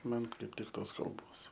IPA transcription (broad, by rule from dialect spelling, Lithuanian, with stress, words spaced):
ˈmɐn kɐɪp ˈtʲɪk ˈtoːs kɐlˠˈboːs